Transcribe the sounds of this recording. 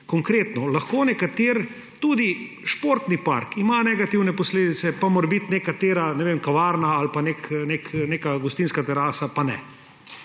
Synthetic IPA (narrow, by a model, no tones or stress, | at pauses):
kɔŋkɾeːt̪nɔlaxkoːnɛkat̪eɾ | t̪uːd̪i | ʃpoɾt̪nipa̰ɾkimanɛɡat̪iwnɛpɔsleːd̪it̪sɛpamoɾbit̪nekat̪eːɾanɛʋemkaʋaːɾnaːlpanekneːkneːkaɡʊst̪inskat̪ɛɾaːsapanɛ̰